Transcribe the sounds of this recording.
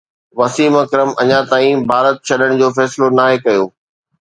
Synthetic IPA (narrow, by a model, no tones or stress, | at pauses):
ʋɐsiːmɐkɾəmɐɲãt̪aːĩbʱaːɾət̪̚t͡ɕʰɐɗəɽ̃̆d͡ʑoːfɛːsɪlonaːɦekɐjoː